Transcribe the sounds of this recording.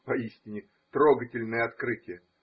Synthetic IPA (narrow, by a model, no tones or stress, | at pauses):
pɐisʲt̪ʲɪnʲɪ | t̪ɾoɡətʲɪlʲnəjəɐt̪kɾɨtʲɪjə